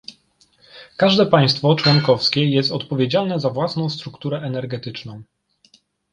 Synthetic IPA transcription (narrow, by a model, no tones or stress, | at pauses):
kaʐd̪ɛpaj̃st̪fɔt͡ʂwɔŋkɔfskʲɛjɛst̪ɔt̪pɔvʲjed͡ʑalnɛzavwasnɔ̃w̃st̪ɾukt̪uɾɛʔɛnɛɾɡɛt̪ɘt͡ʂnɔ̃w̃